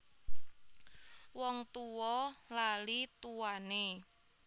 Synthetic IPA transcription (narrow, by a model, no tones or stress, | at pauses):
wɔŋt̪uwɔlalit̪uwane